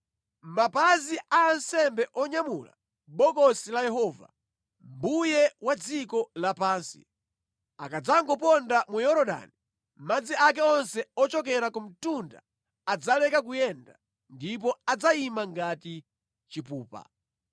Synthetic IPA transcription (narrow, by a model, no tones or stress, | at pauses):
mapaziaːnsɛmbɛʔɔɲamula̰ | ɓɔkɔsilajɛɦɔva̰ | mbujɛwad͡zikɔlapaːnsi̥̰ | akad͡zaŋɡɔp̬ɔndamujɔɾɔɗa̰ni | m̩mad͡ziak̬ɛɔnsɛɔt͡ʃɔkɛɾakɔm̩tunda̰ | ad͡zalɛkakujɛnda | ndip̬ɔad͡zaimaŋɡati | t͡ʃipuːpa̰